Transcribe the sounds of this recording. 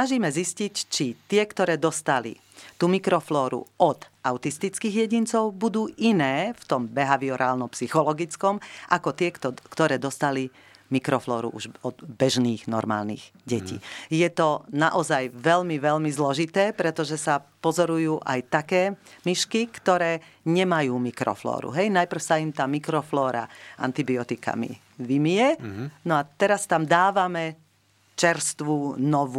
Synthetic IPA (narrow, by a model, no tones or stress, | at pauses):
naʒiːmɛziscict͡ʃit̪ɪɛkt̪ɔɾɛːd̪ɔst̪alḭ | t̪uːmikɾɔflɔːɾṵʔɔt̪ʔaʊt̪ist̪it͡skiːɣjɛɟint͡sɔʊbud̪uːʔinɛːft̪ɔmbɛɦaʋiɔɾaːlnɔmpsixɔlɔɡit͡skɔmʔakɔt̪ɪɛkt̪ɔkt̪ɔɾɛːd̪ɔst̪ali | mikɾɔflɔːɾṵʔṵʒɔd̪bɛʒniːɣnɔ̰ɾma̰ːlnḭːɣɟɛcḭːjɛt̪ɔnaʔɔzajʋɛlmiʋɛlmizlɔʒit̪ɛːpɾɛt̪ɔʒɛsapɔzɔɾujuːʔajt̪akɛːmiʃkikt̪ɔɾɛːɲɛmajuːmikɾɔ̰flɔ̰ːɾṵɦɛjnajpr̩ʊsaimt̪aːmikɾɔflɔːɾa̰ʔa̰nt̪ibiɔt̪ika̰mḭ | ʋimijɛnɔat̪ɛɾast̪amd̪aːʋamɛ | t͡ʃɛɾst̪ʋuːnɔʋu